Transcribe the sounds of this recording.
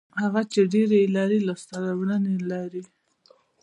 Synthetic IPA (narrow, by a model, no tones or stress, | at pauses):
haɣat͡ʃeɖeɾelɑɾilast̪ad̪amɽənelɑɾi